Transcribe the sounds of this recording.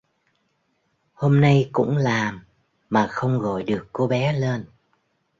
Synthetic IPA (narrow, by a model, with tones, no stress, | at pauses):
ho˧mna˧jkʊ̰˧˥ŋ͡mlaː˨˩mː | aː˨˩xə˧wŋ͡mɣɔ̰˧˨jɗɨ˨˩əkːo˧ɓɛ˨˦leː˧n